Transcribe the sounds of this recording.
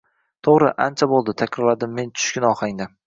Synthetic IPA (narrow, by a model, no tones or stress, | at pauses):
t̪ʰoʁɾɪʔant͡ʃʰabolˠd̪ɪt̪ʰakʲɾɒlad̪ɪmːe̞nt͡ʃʰʊ̥ʃkʲɪnɒχaŋd̪a